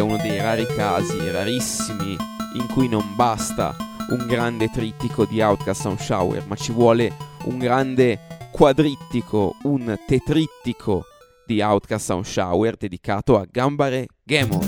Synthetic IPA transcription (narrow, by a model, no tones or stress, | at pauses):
unod̪ejɾaːɾikaːziraɾisːimiḭŋkujnombast̪a̰uŋɡɾand̪et̪ɾit̪ːikʰod̪iawt̪kast̪aunʃa̰wɛ̰rmat͡ʃːivwɔːleṵŋɡɾand̪ekwad̪ɾit̪ːikʰount̪et̪ɾit̪ːikʰo | d̪̥iawt̪kast̪a̰unʃa̰wɛrd̪ed̪ikaːt̪oaɡambaɾeɡɛmo̰n